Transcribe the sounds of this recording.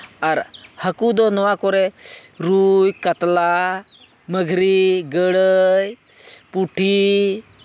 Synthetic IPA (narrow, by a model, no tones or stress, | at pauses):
aɾhəkud̪onɔʋakoɾeɾujkət̪la | məɡʱɾiɡəɽəj | puʈʰi